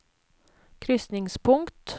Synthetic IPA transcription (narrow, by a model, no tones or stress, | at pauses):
kʰɾʏsnɪŋspʰʊŋkt̪